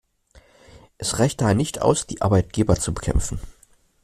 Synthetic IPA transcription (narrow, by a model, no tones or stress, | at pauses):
ʔɛsʁaɪçt̚d̥aːheɐnɪçtʔa̰ʊsd̥iːʔa̰ɐbaɪt̚ɡ̥eːbɐt͡subəkʰɛ̰mfn̩